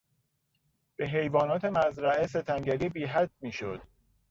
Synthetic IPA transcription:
b̥e̞ɦe̞jvɒːnɒːt̪ʰe̞mæzɾæʔese̞t̪ʰæŋɟæɾiːbiːɦæd̪̚miːʃo̰d̪̥̚

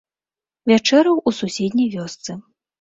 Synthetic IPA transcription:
vʲat͡ʂɛɾɐwʔususʲɛd̪ʲnʲɐjvʲɔst̪sɨ

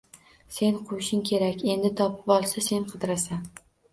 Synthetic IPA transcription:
se̞nqʰʊjɪʃɪŋkʲʰe̞ɾakʲe̞nd̪ɪt̪ʰɒpʰɪ̥pɒlˠsase̞nqʰɨd̪ɾasan

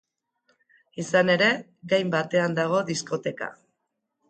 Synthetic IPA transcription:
isane̞ɾe̞ | ɣajmbat̪e̞and̪aɣ̞o̞ðisko̞t̪e̞ka̰

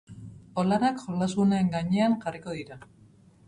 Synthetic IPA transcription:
o̞lanakʝolasuneːŋɡaɲe̞aŋʝariko̞ðiɾa

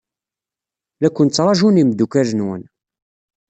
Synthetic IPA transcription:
lækʷːənt͡sːɾˤɑʒunimd̪ːukæɾənwə̰n

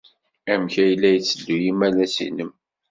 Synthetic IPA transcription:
æmçæjəlːæjət͡sːədːujimælæsḭnəm

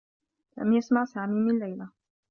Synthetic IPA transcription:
la̰mjasmaʕsaːmiːmɪnlːajla

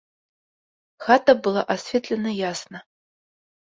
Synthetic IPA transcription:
xatʰɐbɨlˠaʔasfʲet̪ʰʼlʲɐnɨjasnɐ

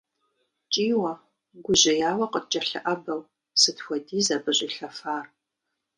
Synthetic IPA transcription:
t͡ʃʼiːwɐ | ɡʷʊʑɪjaːwɐqət̚ʼt͡ʃʼɐɬɨ̰ʔɐbɐw | sɨtxʷɐdiːzabɨʑʼɪɬɐfaːr

